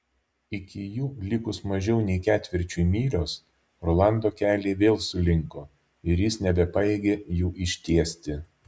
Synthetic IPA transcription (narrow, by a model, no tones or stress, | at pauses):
ɪkʲɪjuːlʲɪkʊsmɐʒʲɛʊnʲɛɪkʲæːt̪ʲʋʲɪɾʲt͡ʃʲuimʲiːɾʲoːs | ɾolˠɑˑnd̪oːkʲæːlʲeːʋʲeːlˠsʊlʲɪŋkoː | ɪɾjɪsnʲɛbʲɛpɐɛɡʲeːjuːʔɪʃʲt̪ʲiɛsʲt̪ʲɪ